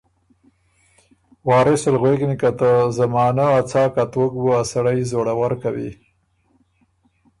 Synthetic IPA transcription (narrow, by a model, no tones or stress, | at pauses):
wɑːɾɪsɪlɣweknikat̪əzamɑːnaːt͡sɑːkat̪okbuasaɽajzoɽawaɾkawḭ